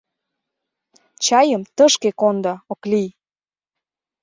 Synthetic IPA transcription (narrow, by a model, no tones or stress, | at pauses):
t͡ɕɑjəmt̪əʃkekond̪ɤoklij